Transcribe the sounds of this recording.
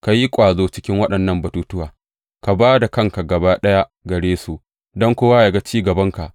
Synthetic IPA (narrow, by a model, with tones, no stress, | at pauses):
ka˨ji˦kʷʼaː˨zoː˦t͡ʃɪ̥˦kʲɪ˦ŋwɐ˦ɗɐ˨nːɐ˦˨mbɐ˨tuː˦tʊ˦waː˨ | ka˨baː˦da˨kɐ˦ŋka˨ɡɐ˨baː˦ɗɐ˦ja˦ɡɐ˨ɽeː˦su˨ʔ | dɔ˦ŋkʷoː˦wa˦ja˨ɡa˦t͡ʃiː˦ɡɐ˨bɐ˦ŋka˨ʔ